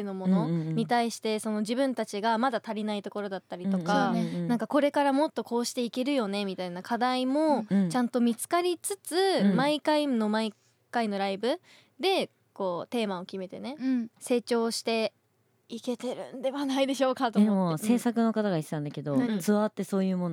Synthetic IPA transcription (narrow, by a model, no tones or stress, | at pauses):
eno̞mo̞no̞ɲ̟it̪aiɕi̥t̪e̞so̞no̞ʑibɯ̟̃nt̪at͡ɕiɡamad̪at̪aɾʲinait̪o̞ko̞ɾo̞d̪at̪ːaɾʲit̪o̞kkanãŋkako̞ɾe̞kaɾamo̞t̪ːo̞ko̞ːɕi̥t̪e̞ike̞ɾɯ̟jo̞ne̞mʲit̪ainakʰad̪aimo̞t͡ɕãnt̪o̞mʲit͡sɨ̥kaɾʲit͡sɨt͡sɨmaikaino̞mai | kaino̞ɾaibɯ̟ | d̪e̞ | ko̞ːt̪e̞ːmao̞kʲime̞t̪e̞ne̞se̞ːt͡ɕo̞ːɕi̥t̪e̞ | ike̞t̪e̞ɾɯ̟̰̃nd̪e̞βanaid̪e̞ɕo̞ːkat̪oemose̞ːsakɯ̟no̞kat̪aɡaist̪ãnd̪ake̞d̪ot͡sɨβat̪ːe̞so̞ːjɯ̟ːmon